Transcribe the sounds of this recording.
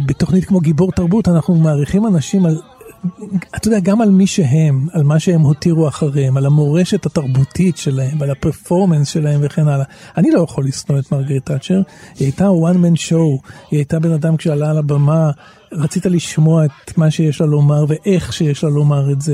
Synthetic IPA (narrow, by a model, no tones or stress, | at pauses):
beto̞χnitkmo̞ɡiboʁtaʁbutanaχnumaːʁiχimanaʃimal | atojodeaɡamalmiʃeɦemalmaʃeemho̞tiʁuaχaʁemalamo̞ʁe̞ʃe̞thataʁbutʰitʃe̞lahe̞mvalapeʁfo̞ʁmensʃe̞lahe̞mve̞χe̞nala | anilo̞jaχolːisnoetmaʁɡetat͡ʃeʁiajtawanmenʃo̞wiajtabe̞nadamkʃealaːlabama | ʁat͡sitaliʃmo̞aetmaʃejeʃlalo̞maʁveʔeχʃejeʃlalo̞maʁetze